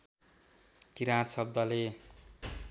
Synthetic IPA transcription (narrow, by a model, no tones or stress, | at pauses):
kiɾãsʌb̚d̪ʌle